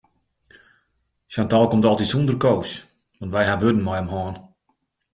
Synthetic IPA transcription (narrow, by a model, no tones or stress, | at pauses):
santaːlˠkomtɔlˠtitsundərkoːs | ʋɔntʋɛjɦaʋødən̩mɔjəmhɔːn